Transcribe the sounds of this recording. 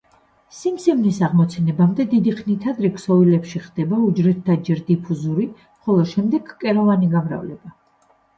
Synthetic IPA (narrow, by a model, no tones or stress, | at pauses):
simsɛmnisaʁmɔt̪sʰɛnɛbamd̪ɛd̪id̪iχnit̪ʰad̪ɾɛksɔvilɛpʃiχd̪ɛbaud͡ʒɾɛt̪ːʰad͡ʒɛɾd̪ipʰuzuɾi | χɔlˠɔʃɛmd̪ɛɡkʼɛɾɔvaniɡamɾa̰vlɛ̰ba